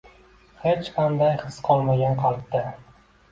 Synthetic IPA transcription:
het͡ʃqʰɑnd̪ajχɨsqʰɒlˠmaɡʲanqʰɑlˠp̚d̪ɪ

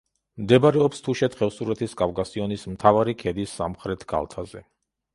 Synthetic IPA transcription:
md̪ɛbaɾɛɔpst̪ʰuʃɛt̪χɛvsuɾɛt̪ʰisɡavɡʼasiɔnismt̪ʰavaɾikʰɛd̪isːa̰mχɾɛt̪ʰɡ̥a̰lˠt̪ʰazɛ

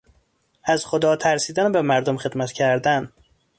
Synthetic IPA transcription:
æzxod̪ɒːt̪ʰæɾsiːd̪ænbemæɾd̪omxe̞d̪mæt̪cʰæɾd̪æn

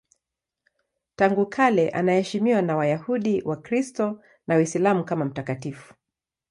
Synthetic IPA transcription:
taŋɡukʰalɛʔanahɛʃimiwanawajahuɗiwʔakɾistɔ | nawisilamukamam̩takatifu̥

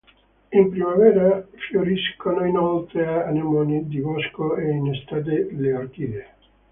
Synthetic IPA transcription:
impɾimavɛːɾafjoɾiskonoinolt̪ɾeaːnemɔnid̪ibɔskoeinest̪aːt̪̬eleark̟ie

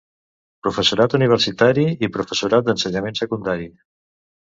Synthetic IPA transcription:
pɾufəsuɾat̪uniβ̞əɾsit̪aɾiipɾufəsuɾat̪̚d̪ənsəɲamẽnsəkund̪aɾi

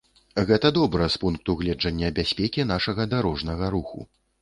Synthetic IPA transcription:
ɣɛt̪ɐd̪ɔbɾɐspunk̚t̪uɣlʲɛd͡ʐɐnʲːɐbʲasʲpʲɛkʲinaʂɐɣɐd̪aɾɔʐnɐɣɐɾuxṵ

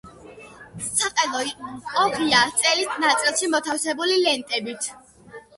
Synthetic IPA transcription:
saqʼɛlˠɔɔbiat̪sʼɛlit̪ʰnat̪sʼilˠʃimɔt̪ʰafsɛbulilɛnt̪ʼɛbit̪ʰ

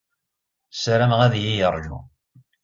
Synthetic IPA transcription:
sɾæmʁæðjijəɾˤʒṵ

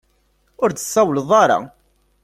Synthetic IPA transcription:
ʊɾd̪əsˤːɑwləðˤɑɾˤɑ̰

